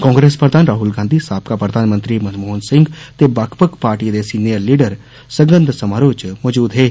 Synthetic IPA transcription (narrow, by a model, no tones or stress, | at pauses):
kɔ̃ːŋɡɾeːspɾəd̪ʱaːnɾaːɦulɡãːnd̪ʱisaːb̚kapɾəd̪ʱaːnmə̃nt̪ɾimɐnmoːnsɪ̃ŋɡt̪ebaːkʰpəkpaːɾʈid̪esiːnijəɾliːɖəɾ | səŋɡənd̪ʱsəmaːɾoːt͡ʃmɔːd͡ʒuːd̪ɦeː